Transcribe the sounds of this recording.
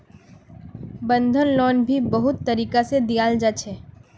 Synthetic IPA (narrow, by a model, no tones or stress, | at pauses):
bə̃nd̪ʱənlɔːnbʱibəɦʊt̪ːəɾiːkased̪ijaːld͡ʒaːt͡ʃʰeː